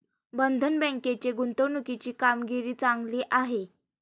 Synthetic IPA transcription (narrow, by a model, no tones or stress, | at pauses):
bənd̪ʱənbɛ̃ŋket͡ɕeɡunt̪əwnukit͡ɕiːkamɡiɾiːt͡saŋɡliːʔaɦe